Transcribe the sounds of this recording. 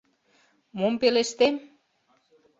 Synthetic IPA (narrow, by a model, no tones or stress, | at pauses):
mompeleʃt̪em